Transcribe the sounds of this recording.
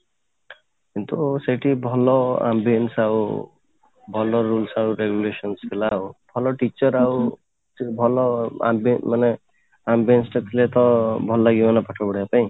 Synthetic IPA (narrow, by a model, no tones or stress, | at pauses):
kint̪useʈʰibʱɔlɔa̰mbiensaw | bʱɔlɔɾulsauɾeɡjulesɔnskʰelaːubʱɔlɔʈit͡ʃɔɾau | bʱɔlɔa̰mbmane | ambensʈɔt̪ʰilet̪ɔbʱɔlaɡiwanapaʈʰɔbɔɽiapaĩ